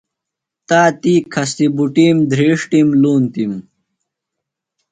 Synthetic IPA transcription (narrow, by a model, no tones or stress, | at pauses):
t̪aːt̪iːkʰɐst̪ibuʈiːmd̪ʱɾeːʂʈimluːnt̪im